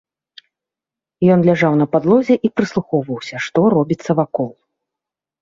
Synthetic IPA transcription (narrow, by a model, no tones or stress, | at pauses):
jɔnlʲaʐawnɐpad̪lˠɔzʲɛʔipɾɨslˠuxɔwvɐwsʲɐʂt̪ɔɾɔbʲit̪sːɐvakɔlˠ